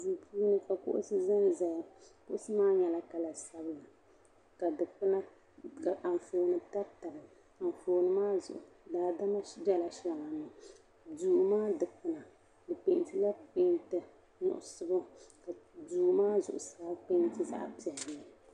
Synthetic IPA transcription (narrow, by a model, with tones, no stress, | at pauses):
zi˨pʰuː˦nɨ˦ka˨kʊ̰˦ʔʊ̰˦sɨ˦zɨ˦nza˨jkʊ˦ʔʊ˦sɨ˦maː˦ɲɛ˨la˦ka˨la˨sa˦bɨ˦la˨ | ka˨dɨ˨k͡pɨ˦na˦ | ka˨ʔa˨ɱ˨foː˨nɨ˨ta˦ta˨bɨ˨ | a˨n˨foː˨nɨ˨maː˦zʊ̰˨ʔʊ˨ | daː˨da˦ma˦d͡ʒɛ˦la˨ʃa˨ŋa˨nɨ˨ | duː˨maː˦dɨ˨k͡pɨ˨na˨ | dɨ˨k͡pe˨n˨tɨ˦la˦k͡pe˦ntɨ˦ | ɲʊ̰˨ʔʊ˨sɨ˦bʊ˦ka˨duː˨maː˦zʊ˨ʔʊ˨saː˨˦k͡pe˦n˦tɨ˦za̰˦ʔpi˨ɛ˨ɾnɨ˦